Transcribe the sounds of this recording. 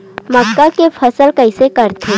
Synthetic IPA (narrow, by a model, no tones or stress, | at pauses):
mɐkːakefʰɐsəlkɐɪsekɐɾt̪ʰẽ